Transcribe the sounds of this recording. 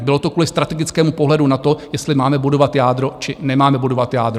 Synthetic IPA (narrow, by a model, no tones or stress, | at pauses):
bɪlo̞t̪okvuːlɪst̪ɾat̪ɛɡɪt͡skɛːmupoɦlɛdunat̪o̞jɛst̪lɪmaːmɛbudo̞vat̪jaːd̪ɾot͡ʃɪnɛmaːmɛbudo̞vat̪jaːd̪ɾo